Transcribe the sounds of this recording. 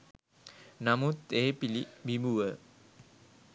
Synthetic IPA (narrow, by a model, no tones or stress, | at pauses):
namut̪eːpilibimuʋə